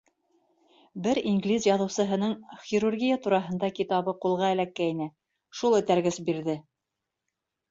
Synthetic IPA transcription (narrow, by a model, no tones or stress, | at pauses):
bɘɾiŋɡlʲizjɑðɤ̆wsɤ̆ɦɤ̆nɤɴχʲiɾurɡʲijat̪uɾɑɦɤ̆nd̪ɑkit̪ɑβɤqulˠʁɑæ̆lækːæinæ | ʃulˠɘ̆t̪æɾɡɘsbiɾðɘ